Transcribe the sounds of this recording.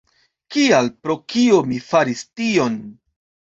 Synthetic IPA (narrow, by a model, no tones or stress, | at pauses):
kialpɾo̞kiomifaɾistio̞n